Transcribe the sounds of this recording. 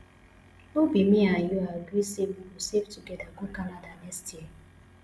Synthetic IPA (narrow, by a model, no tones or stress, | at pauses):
obimiajoaɡisebukuseftuɡedaɡʊkanadanestie